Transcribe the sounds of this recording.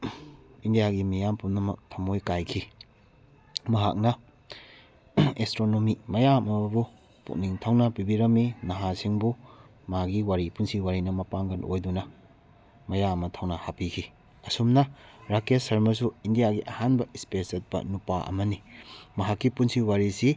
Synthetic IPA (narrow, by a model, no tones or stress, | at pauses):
indijaɡimijampumnɐmɐ̰k̚tʰɐmojkajkʰi | mɐɦa̰k̚nɐ | estɾonomimɐjamɐmbu | pṵk̚niŋtʰawnɐpibiɾɐmːinɐɦasiŋbu | maɡiwaɾipunsiwaɾinɐmɐpaŋɡɐno̰jdunɐ | mɐjamɐtʰawnɐhapikʰi | ɐsumnɐɾakesɐɾmɐs̬uindijaɡiʔɐhanbɐispeset̚bɐ̰nupaʔɐ̰mɐnimɐɦakːipunsiwaɾisi